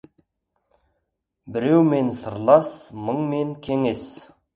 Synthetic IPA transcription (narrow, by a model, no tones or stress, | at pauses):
bɪɾe̞wme̞nsəɾlˠɑsməɴme̞ŋkʲʰe̞ŋe̞s